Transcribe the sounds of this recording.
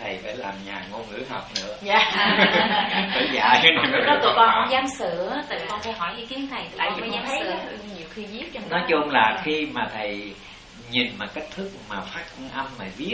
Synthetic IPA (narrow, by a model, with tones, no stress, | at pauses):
t̪ʰə˨˩jfa̰ː˧˩jlaː˨˩mɲaː˨˩ŋo˧nŋɨ̰˧˥əɦɔ̰˨˩k͡p̚nɨ̰˧˥əzaː˧ | ə̰˧˩jza̰ː˧˩jkɔ˦t̪əkɔ˧nʔɔ˧za˧msɨ˧˩˨ə˦t̪a̰˨˧˩kɔ˧nk̪a˧˩ɦɔ˧˩jhi˧k̪i˨˦ənt̪ʰə˨˩jt̪aː˧˨˧ɲa˧˨˦ɲi˨˩əwxi˧vi˦˥ət̚t͡ɕɔ˧nɔ˨˦jt͡ɕʊ˧ŋ͡mlaː˨˩xi˧maː˨˩t̪ʰə˨˩j | ɲi˨˩nmaː˨˩ke˦˥k̚t̪ʰɨ˦˥k̚maː˨˩faː˦˥t̚ŋʔə˧mmaː˨˩vi˦˥ə